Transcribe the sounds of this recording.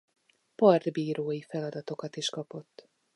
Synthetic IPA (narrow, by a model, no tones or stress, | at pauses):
pɒrd̪biːɾoːjifɛlɒd̪ɒt̪o̞kɒt̪iʃkɒpo̞t̪ː